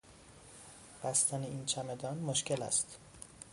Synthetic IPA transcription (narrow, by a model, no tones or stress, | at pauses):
b̥æst̪ʰæneiːnt͡ʃʰæmed̪ɒːnmoʃcelæ̰st̪